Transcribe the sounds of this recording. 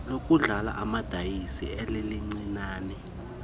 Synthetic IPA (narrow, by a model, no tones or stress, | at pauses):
lok̬ʼuɮala̰ʔamad̥ʱajisiɛleliŋ͡ǀinaːnɛ